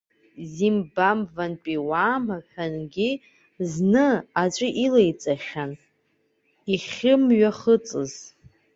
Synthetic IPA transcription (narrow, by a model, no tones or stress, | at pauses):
zimbamvanpʼiwaːmaħᶣanɡʲi | znɨat͡ʃʷʼɪʔilejt͡sʼaχʲan | iχʲɪmɥaχət͡sʼɨz̥